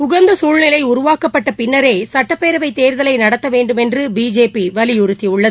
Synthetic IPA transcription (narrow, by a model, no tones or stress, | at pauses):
ʊɣɐnd̪ɐsuːɻnɪlɐɪʊɾʊʋaːkɐpːɐʈːɐpɪɳːɐɾeːsɐʈːɐpːeːɾɐʋɐɪt̪eːɾðɐlɐɪnɐɽɐt̪ːɐʋeːɳɖɯmɛndrɯbiːd͡ʒeːpiʋɐlɪjʊɾɯt̪ːiʊɭːɐð